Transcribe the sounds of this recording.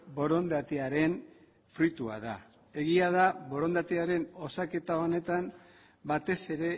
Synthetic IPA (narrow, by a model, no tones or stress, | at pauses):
bo̞ɾo̞nd̪at̪eaɾe̞n | fɾit̪ua̰ð̞a̰ | e̞ɣiaðaβo̞ɾo̞nd̪at̪eaɾe̞no̞sake̞t̪ao̞ne̞t̪am | bat̪e̞se̞ɾe̞